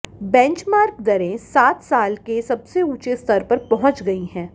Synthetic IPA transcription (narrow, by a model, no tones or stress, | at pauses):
bɛ̃ːɲt͡ʃmaːɾkd̪ɐɾẽsaːt̪saːlkesɐbseuːt͡ʃest̪ɐɾpɐɾpɐɦʊ̃t͡ʃɡɐiɦɛ̃ː